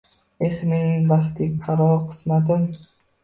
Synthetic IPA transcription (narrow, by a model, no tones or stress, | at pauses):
eχmininbaχt̪ɪk̚ʲqʰɑɾɒqʰɨ̥smad̪ɪm